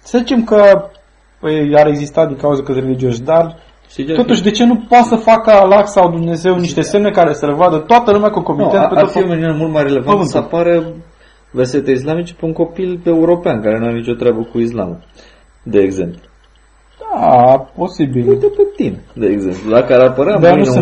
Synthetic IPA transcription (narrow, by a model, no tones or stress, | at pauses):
səzit͡ʃe̞mkə | aɾe̞ɡzist̪at̪d̪iŋkauzəkət̪re̞lid͡ʒioʃd̪ar | t̪ot̪uʃd̪e̞t͡ʃe̞nupot̪səfakəalaksawd̪umne̞ze̞wniʃt̪e̞se̞mne̞kaɾesəlevad̪ət̪oat̪əlumeakəuŋko̞mienpet̪ːofiominiunemult̪majrele̞vanəɨnsapaɾe | verse̞t̪eis̬lamit͡ʃe̥peuŋko̞pileuɾo̞peankaɾenuaɾenit͡ʃo̞t̪ɾʲeabəkuis̬la̰mu | d̪e̞ːɡze̞̰mplu | apo̞sibilepet̪ined̪eːɡzḛmplud̪akəaɾapəɾead̪aue